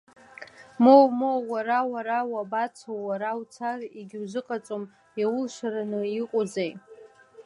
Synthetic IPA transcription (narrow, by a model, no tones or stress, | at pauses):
mowmowwaɾawaɾawabat͡sʰawwaɾawt͡sʰariɡʲɪwzʷɨqʼat͡sʼom | jawʊlʃʷaɾanɨiqʷʼʊd͡zej